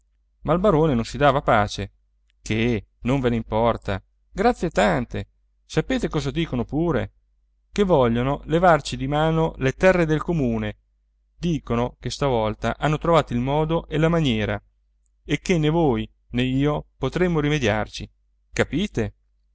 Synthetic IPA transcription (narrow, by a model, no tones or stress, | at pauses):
mailbaɾoːnenõnsid̪aːvapaːt͡ʃe | kenoɱveneimpɔrt̪a̰ | ɡɾat̪sːjet̪ant̪e | sapeːt̪ekɔːzad̪iːkonopuːɾḛ | kevːɔʎːonolevart͡ʃid̪imaːnolet̪ɛrːed̪elkomuːne | d̪iːkonokest̪avɔlt̪aʔanːot̪ɾovaːt̪oilmɔːd̪oʔelamanjɛːɾa | ekːenːevoːj | neiːopot̪ɾemːoɾimed̪ja̰rt͡ʃi | kapiːt̪e